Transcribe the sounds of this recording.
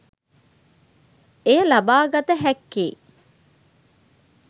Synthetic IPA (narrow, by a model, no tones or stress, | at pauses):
ejəlɐbaːɡɐt̪əɦɛkːḛː